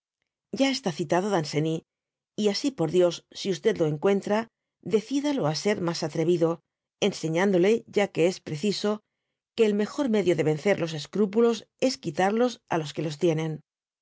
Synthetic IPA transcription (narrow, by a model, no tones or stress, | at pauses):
ɟ͡ʝae̞st̪aθit̪að̞o̞ðanse̞ni | iasipo̞ɾðjo̞sːiust̪e̞ðlo̞e̞ŋkwe̞nt̪ɾa | ðe̞θiðalo̞ase̞ɾmasat̪ɾe̞βiðo̞ | ense̞ɲãnd̪o̞le̞ʝake̞espɾe̞θiso̞ | ke̞ːlme̞xo̞ɾme̞ðjo̞ðe̞βe̞nθe̞ɾlo̞s̬e̞skɾupulo̞se̞skit̪aɾlo̞sa̰lo̞ske̞lo̞st̪je̞nẽ̞n